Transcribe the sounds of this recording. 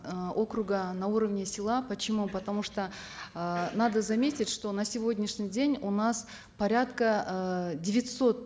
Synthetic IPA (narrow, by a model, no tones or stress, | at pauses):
o̞kɾʊɡənɐuɾəvnʲɪsʲɪlˠapət͡ɕɪmupɐt̪ɐmuʂt̪o | nad̪əzɐmʲetʲɪtʲʂt̪o̞nɐsʲɪvʲo̞dʲnʲɪʂnʲɪjdʲenʲunas | pɐɾʲat̪kədʲɪvʲɪt̪ʲso̞t̪̚